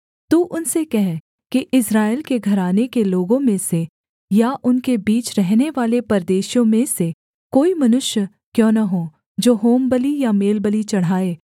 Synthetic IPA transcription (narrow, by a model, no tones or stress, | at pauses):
t̪uʔʊnsekɛɦ | kiʔɪsɾaːɪlkeɡʱɐɾaːnekeloːɡõmẽse | jaʔʊnkebiːt͡ʃɾɛɦneʋaːlepɐɾd̪eːʃjõmẽse | koːimɐnʊʃjə | kjõːnɐɦoː | d͡ʒoːɦoːmbəlijameːlbəlit͡ʃɐɽ̤aːeː